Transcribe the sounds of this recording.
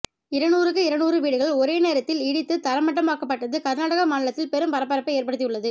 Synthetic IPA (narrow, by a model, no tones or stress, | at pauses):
ɪɾɐnuːɾɯkːɯɪɾɐɳuːɾɯʋiːɽɯɣɐɭɔɾeːneːɾɐt̪ːɪlɪɽɪt̪ːɯt̪ɐɾɐmɐʈːɐmaːkɐpːɐʈːɐðɯkɐɾnaːɽɐɣɐmaːɳɪɭɐt̪ːɪlpɛɾɯmpɐɾɐpːɐɾɐpːɐeːɾpɐɽɯt̪ːɪjɯɭːɐðɯ